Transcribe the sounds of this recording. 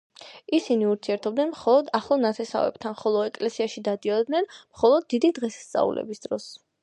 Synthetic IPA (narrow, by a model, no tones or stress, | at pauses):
isiniuɾt̪sʰiɛɾt̪ʰɔb̚d̪nɛnmχɔlˠɔd̪aχlˠɔnat̪ʰɛsa̰vɛ̰b̥t̪ʰanχɔlˠɔɛkʼlɛsiaʃid̪ad̪iɔd̪nɛnmχɔlˠɔd̪̚ːid̪id̪ʁɛsḁst̪sʼa̰ṵlɛ̰bisd̪̥ɾɔs